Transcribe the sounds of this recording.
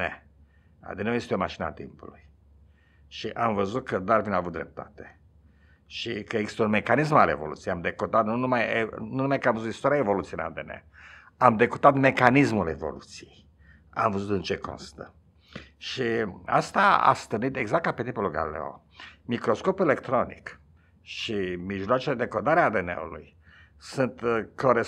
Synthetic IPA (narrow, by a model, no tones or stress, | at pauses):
nḛ | a̰d̪eneoje̞st̪eo̞maʃinəa̰t̪ḭmpṵluj | ʃiʔamvəzut̪̚kəd̪arvinavut̪̚d̪ɾḛp̚t̪at̪e̥ | ʃikəeɡzist̪əunme̞kanis̬malḛvolṵt̪sijamd̪ekot̪at̪nunumajenunumajkəamvəzut̪ist̪oɾʲijaevo̞lut̪siejɨna̰d̪enḛ | amd̪ekot̪at̪me̞kanismule̞̰vo̞̰lut̪sijej | a̰mvəzut̪ɨnt͡ʃe̞ko̰nst̪ə | ʃia̰st̪aa̰st̪ɨrnit̪e̞ɡzak̚ːapet̪impolulɡa̰lilḛo̰ | mikɾo̞sko̞pelekt̪ɾo̞nḭk | ʃimiʒloat͡ʃeled̪e̞kod̪aɾeaːd̪enḛṵlṵj | sunt̪koɾe